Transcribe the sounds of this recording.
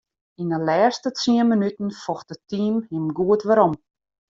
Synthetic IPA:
inəlɛːstət͡siənmənytn̩fɔxt̚ətiːmhɪmɡuətʋəɾɔm

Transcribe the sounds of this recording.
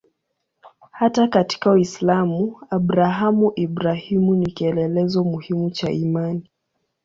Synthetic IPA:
hatakati̥kawislamuabɾaɦamuʔibɾahimunikiɛlɛlɛzɔmuhimut͡ʃaʔimani

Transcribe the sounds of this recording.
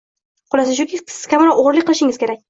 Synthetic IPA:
qʊlˠasɪʃʊkʲɪɪz̥kʰʲamɪɾɒoʁɾlɪk̚ʲqʰːɨlˠɪʃɪŋɪz̥kʲe̞ɾakʲ

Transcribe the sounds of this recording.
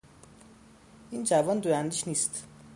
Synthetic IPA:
ʔind͡ʒævɒnd̪oɾænd̪iʃniːst̪

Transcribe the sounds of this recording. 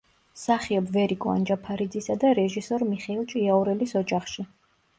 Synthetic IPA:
saχiɔbvɛɾikʼɔa̰nd͡ʒapʰaɾid̪zisad̪aɾɛʒisɔɾmiχɛilˠt͡ʃʼiaɔɾɛlisɔd͡ʒaχʃi

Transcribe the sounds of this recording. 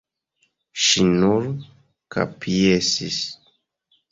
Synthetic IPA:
ʃinuɾ | ka̰pʰiesis

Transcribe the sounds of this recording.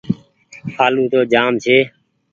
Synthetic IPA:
sʰaːlũːt̪oːd͡ʒaːmt͡ʃʰeː

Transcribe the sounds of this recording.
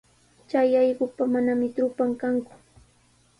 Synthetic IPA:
t͡ʃajɑjɢʊpamanamɪt̪ɾʊpaŋkaŋkʊ̥

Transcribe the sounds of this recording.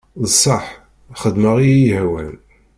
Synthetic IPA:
ðsˤɑħ | χəd̪məʁijhæwæ̰l

